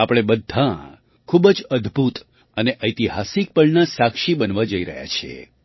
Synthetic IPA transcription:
apɽ̃ebəd̪ʱːã | kʰubd͡ʒəd̪ʱbʱut̪ | əneʔəjt̪iɦasik̚pəɭnasakʃibənʋad͡ʒəiɾə̰ɦja̰t͡ʃʰḛ

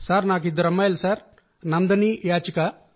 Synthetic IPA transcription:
saːɾnaːk̬id̪ɐɾɐmːajlɐsaːɾ | nɐnd̪ɐnijaːt͡ʃika

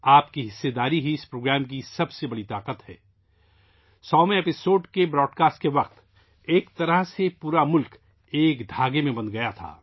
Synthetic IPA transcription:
aːpkiɦɪsːed̪aːɾiɦiɪspɾoːɡɾɛːmk̬isɐbsebɐɽit̪aːqət̪hɛ̰ː | sɔːmẽeːpɪsoːɖkebɾɔːɖkaːsʈkeʋɐq̚t̪ | eːkt̪ɐɾəɦsepuːɾamʊlk | eːkd̪ʱaːɡemẽbɐ̃nd̪ɡɐjat̪ʰa̰ː

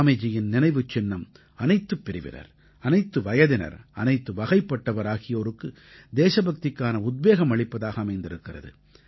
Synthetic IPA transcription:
mɐd͡ʒɪjɪnnɪnɐɪʋɯt͡ʃːɪnːɐm | ɐnɐɪt̪ːɯpːɪɾɪʋɪ̰nɐ̰ɾ | ɐnɐɪt̪ːɯʋɐjɐðɪnɐ̰ɾɐnɐɪt̪ːɯʋɐɣɐɪpːɐʈːɐʋɐɾaːɣɪjoːɾɯkːɯ | d̪eːʂɐbɐk̚t̪ɪkːaːnɐʊd̪̚beːɣɐmɐɭɪpːɐðaːɣɐːmɐɪnd̪ɪɾɯkːɪrɐ̰ðɯ̰

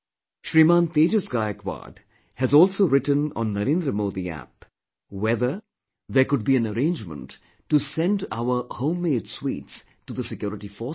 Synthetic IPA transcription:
ʃɾiːmãːnt̪eːd͡ʒəsɡaɪəkwa̰ːɖ | hæzɔːlsoːɾɪʈə̃nɔ̰̃nːɐɾẽːnd̪ɾəmoːd̪iæ̰p̚ | wɛðə | ðekʊɖ̚biæ̃nəɾẽːnd͡ʒmə̰̃nʈː | usɛ̃nɖa̰ʊə˞hõʊ̃mːeːɖswḭːʈs | ʈud̪əsɪkjɔːɾɪʈifɔː

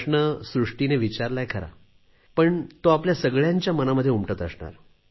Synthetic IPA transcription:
ʂɳəsɾuʂʈineʋit͡ɕaɾlajekʰəɾa̰ | pəɳt̪oapljasəɡɭjaɲt͡ɕjamənaməd̪ʱːjeumʈət̪əsɳa̰ɾ

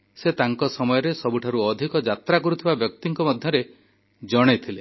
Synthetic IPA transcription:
set̪aŋkɔsɔmɔjɔɾesɔbuʈʰaɾuɔd̪ʱikɔd͡ʒat̪ɾakɔɾut̪ʰibabjɔkt̪iŋkɔmɔd̪ʱjɔɾe | d͡ʒɔɽ̃et̪ʰile

